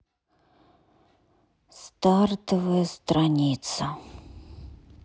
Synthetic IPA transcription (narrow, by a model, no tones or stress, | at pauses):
st̪art̪əvəjɐst̪ɾanʲit̪sɐ